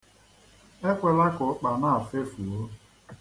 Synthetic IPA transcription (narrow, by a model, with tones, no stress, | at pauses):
e˦kʷe˨la˦kʊ˨˦k͡pa˨na˦˨a˨fe˦fu˨o˦